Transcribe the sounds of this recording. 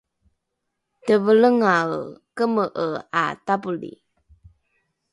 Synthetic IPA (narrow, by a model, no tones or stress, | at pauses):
təvələŋawkəməʔəa̰tapulḭ